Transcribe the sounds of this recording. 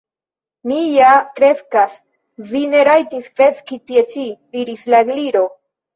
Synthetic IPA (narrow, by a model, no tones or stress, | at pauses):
nijakɾe̞skas | vine̞ɾajtiskɾe̞t͡skitie̞t͡ʃidiɾislaeɡliɾo̞